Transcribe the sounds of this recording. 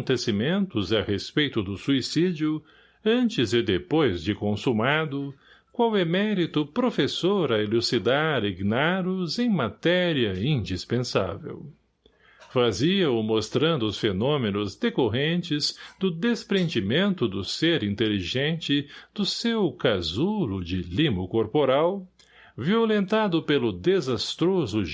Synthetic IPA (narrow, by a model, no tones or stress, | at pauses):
nt̪esimẽnt̪ʊzɐhespejt̪ʊd̪ʊsuisid͡ʒiʊ | ɐ̃nt͡ʃɪzɪd̪epojzd͡ʒɪkõsumad̪ʊ | kwawɛmɛɾit̪ʊpɾofesoɾɐelusid̪aɾiɡnaɾʊzẽj̃mat̪ɛɾiɐĩnd͡ʒispẽsa̰vḛw | faziɐʊmost̪ɾɐ̃nd̪ʊʊsfenõmenʊzd̪ekoɦẽnt͡ʃɪzd̪ʊd̪espɾẽnd͡ʒimẽnt̪ʊd̪ʊseɾĩnt̪eliʒẽnt͡ʃɪd̪̥ʊsewkazulʊd͡ʒɪlĩmʊkoɾpoɾaw | violẽnt̪ad̪ʊpelʊd̪ezast̪ɾozʊ